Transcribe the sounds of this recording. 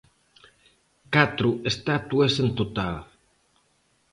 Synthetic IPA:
kat̪ɾuest̪at̪uesent̪ot̪al

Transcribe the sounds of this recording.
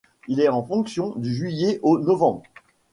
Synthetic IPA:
ilɛɑ̃fɔ̃ksjɔ̃d̪yʒɥijɛʔonɔvɑ̃bʁ

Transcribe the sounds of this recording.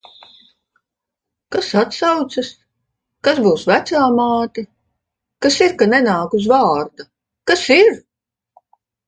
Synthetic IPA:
kasat̪sawt̪sɐs | kazbuːsvæt̪saːmaːt̪i | kasiɾkanɛnaːkuzvaːɾd̪a | kasiɾ

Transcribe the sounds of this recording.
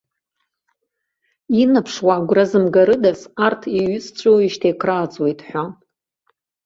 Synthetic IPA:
inapʰʂwaɡʷrazɨmɡaɾɨdasartʰiɥʏt͡st͡ɕʷʼowiʃtʰejkʰraːt͡sʼwejtʼħʷa

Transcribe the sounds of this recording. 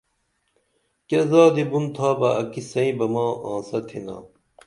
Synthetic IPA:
kezaːd̪ibunt̪ʰaːbɐɐkisɐĩbɐmɑːʔãːsɐt̪ʰina̰ː

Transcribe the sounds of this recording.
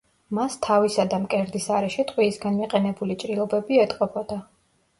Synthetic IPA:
mast̪ʰavisad̪amkʼɛɾd̪isaɾɛʃit̪ʼqʼwiːsɡanmiqʼɛnɛbulit͡ʃʼɾilˠɔbɛbiɛt̪ʼqʼɔbʰɔd̪̥a

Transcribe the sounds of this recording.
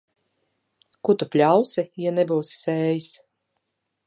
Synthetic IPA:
kut̪upʲlʲawsijanɛbuːsi̥sɛːjis

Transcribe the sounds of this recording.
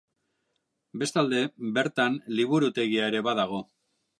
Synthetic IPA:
be̞st̪ald̪e̞be̞ɾt̪anliβuɾut̪e̞ɣiaeɾe̞βað̞aɣ̞o̞

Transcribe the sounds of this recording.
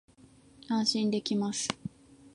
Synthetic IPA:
ãɰ̃ɕĩnd̪e̞kʲimasɨ̥

